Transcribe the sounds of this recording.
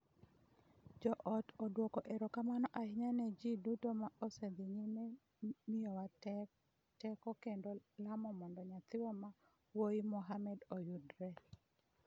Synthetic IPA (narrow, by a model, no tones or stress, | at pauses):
d͡ʒɔʔɔtodwokoʔeɾokamanɔʔahɪɲaned͡ʒidutomaosed̪ɪɲime | mɪɔwa | tɛkɔkendolamɔmɔndɔɲat̪ɪwɔma | wojimɔɦamɛdojudɾɛ